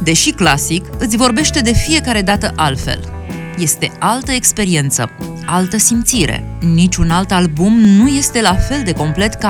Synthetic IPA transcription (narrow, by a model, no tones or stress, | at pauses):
d̪e̞ʃiklasikɨt̪sʲvo̞rbe̞ʃt̪e̞d̪e̞fije̞kaɾe̞d̪at̪əʔalfe̞̰l | je̞st̪e̞alt̪əekspe̞ɾie̞nt̪sə̰ | alt̪əsimt̪siɾe̞̰ | nit͡ʃʲunalt̪albumnuje̞st̪e̞lafe̞ld̪e̞ko̞mple̞t̪ka